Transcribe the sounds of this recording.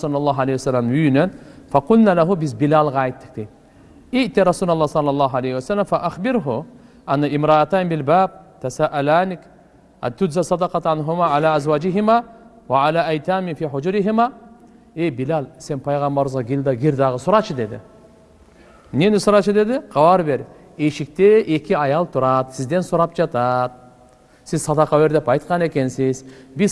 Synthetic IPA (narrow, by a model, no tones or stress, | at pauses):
sulɑlˤːɑːɦalejhwasalːamyjynenfaqʊlnalaɦʊbɪzbɪlalˠʁɑajt̪ːɪ̥q̚d̪̥ejd̪ | ɪʔt̪iɾˤɑsuːlalˠˤːɑhsˤɑlːɑlˤːɑːɦalejhiwasalːamfaʔaxbɪɾɦʊ | ʔanːaʔɪmɾˤɑʔat̪aːnbɪlbaːb̚t̪asaːʔalaːnɪk | ʔa̰t̪ʊd͡ʒzalsˤɑd̪ɑqɑt̪ʕanɦʊmaʕalaːʔazwaːd͡ʒɪɦɪma | waʕalaːjt̪aːmɪfiːħʊd͡ʒɾɪɦɪma | ejbɪlalse̞npʰɑjʁɑmbɑɾzʁɑɡʲild̪ɑɡʲiɾd̪ɑʁəsuɾɑt͡ʃʰɯd̪e̞d̪ɪ̰ | nenisuɾɑt͡ʃʰɯd̪e̞d̪ɪqʰɑwɑɾbe̞ɾ | e̞ʃik̚t̪eʔekiɑjɑlˠt̪ʰuɾɑt̪sizd̪e̞nsuɾɑp̚d͡ʒɑt̪ɑt̪̚ | sizsɑd̪ɑqɑwe̞ɾd̪e̞pɑjt̪̚qɑne̞ke̞nsɪzbiz